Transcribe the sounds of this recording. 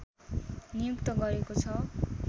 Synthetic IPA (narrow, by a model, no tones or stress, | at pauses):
nijukt̪ʌɡʌɾekot͡sʰʌ